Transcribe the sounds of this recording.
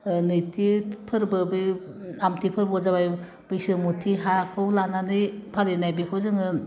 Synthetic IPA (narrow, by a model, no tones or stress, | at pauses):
nɯjtʰipʰɯɾbɯbɯ | amtʰipʰɯɾbɔzabaj | b̥ɯjsɯmutʰiɦakʰɯwlananɯpʰaɾenajbikʰɯwzɯŋɯ